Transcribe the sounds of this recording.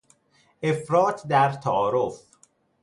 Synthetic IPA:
ʔefɾɒːt̪ʰd̪æɾt̪ʰæɒːɾof

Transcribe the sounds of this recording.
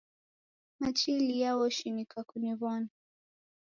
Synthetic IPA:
mat͡ʃilijawɔʃinikakuniβana

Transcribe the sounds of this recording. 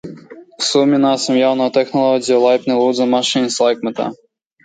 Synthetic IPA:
wsumʲːinasɐmjawnɔjɔt̪ɛxnɐlˠɔzʲijɐlˠajpnɨlˠud̪zɐmaʂɨnʲslˠajkmɛt̪ɐ̰

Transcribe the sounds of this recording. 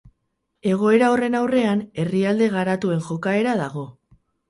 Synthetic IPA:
e̞ɣ̞o̞e̞ɾaore̞nawre̞ane̞riald̪e̞ɣ̞aɾat̪ue̞nʝo̞kae̞ɾaðaɣ̞o̞

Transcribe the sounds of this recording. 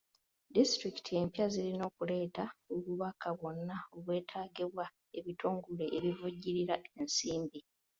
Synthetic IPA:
distɾiki̥tʰie̞mpjazilino̞ːkule̞ːtaoβuβakʰaβo̞nːao̞βwe̞ːtʰaːɡeβwa | eβitʰoːŋɡule̞ʔːβivuɟːiɾiɾaensiːmbi

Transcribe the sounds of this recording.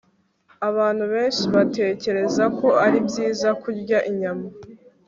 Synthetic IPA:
aβaːn̥huβe̞ːnʃiβate̞ːce̞ɾe̞zako̞aɾibɟiːzakuɾɟaʔiɲama

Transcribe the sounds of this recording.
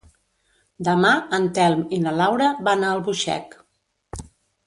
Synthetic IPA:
d̪əmaənt̪ɛlˠminəlawɾəβanaəlˠβuʃɛ̰k

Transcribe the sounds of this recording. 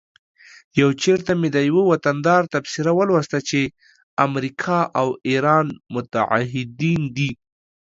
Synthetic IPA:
jawt͡ʃeɾt̪amed̪əjwəwat̪and̪ɑɾt̪absɪɾawəlwast̪at͡ʃe | amɾikʰɑʔawiɾɑnmʊt̪a̰a̰ɦɪd̪ind̪i

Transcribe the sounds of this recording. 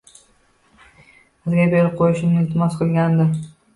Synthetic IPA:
sɨzɡʲabeɾɪp̚qʰojɪʃnɪɪlt̪ʰɪmɒsqʰɨlˠɡʲand̪ɪ

